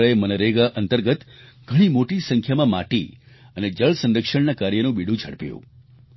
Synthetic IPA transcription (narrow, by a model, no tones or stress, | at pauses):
əemənəɾeɡaʔənt̪əɾɡət̪ | ɡ̥ʱəɽ̃imoʈisə̃ŋkʰjamãma̰ʈi | əned͡ʒəɭsə̃nɾəkʃəɳnakaɾjənũbiɽũd͡ʒʱə̰ɽpjṵ̃